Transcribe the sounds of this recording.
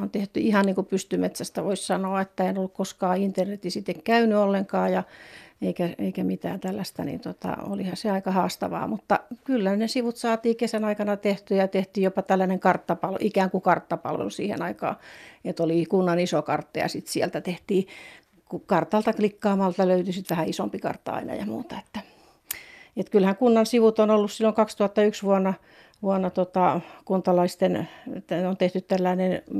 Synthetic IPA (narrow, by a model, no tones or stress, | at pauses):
ont̪eht̪yihɑnniːŋkupyst̪ymet̪sæst̪æʋoissɑnoɑet̪ːæeinolːukkoskɑːint̪ernet̪isit̪ːekkæynyolːeŋkɑːjɑeikæḛikæmit̪æ̰ːnt̪ælːæst̪æ̰nḭːnt̪ot̪ɑ̰o̰lihɑseɑikɑhɑːst̪ɑ̰ʋɑ̰ːmut̪ːɑkylːænesiʋut̪sɑːt̪iːkesænɑikɑnɑt̪eht̪yjɑt̪eht̪iːjjopɑt̪ælːæneŋkɑrt̪ːɑpɑlʔikæːŋkukɑrt̪ːɑpɑ̰lʋḛlusḭːhḛnɑikɑ̰ːet̪olikunːɑnisokɑ̰rt̪ːɑ̰jɑ̰sit̪siɛlt̪æt̪eht̪iː | kukɑrt̪ɑlt̪ɑklikːɑːmɑlt̪ɑløyt̪ysit̪ʋæhæisompikɑ̰rt̪ːɑ̰ɑ̰inɑ̰jɑ̰mṵːt̪ɑe̥t̪ːæ | et̪kylhæŋkunːɑnsiʋut̪onolːussilːoŋkɑkst̪uɑt̪ːɑyksʋuonːɑ | ʋuonːɑt̪ot̪ɑkunt̪ɑlɑist̪enet̪ːæneont̪eht̪yt̪t̪ælːæinen